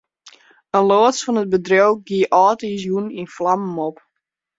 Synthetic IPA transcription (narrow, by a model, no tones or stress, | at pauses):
ənloːəsfɔnət̚bədrowɡiəʔɔːtis̬juninflammop